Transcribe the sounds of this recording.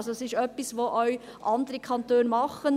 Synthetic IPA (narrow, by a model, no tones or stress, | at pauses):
soɛsɪʃœpːisʋoʔœɥ | ʔɑnd̪əɾəkʰɑnt̪øːnmɑχən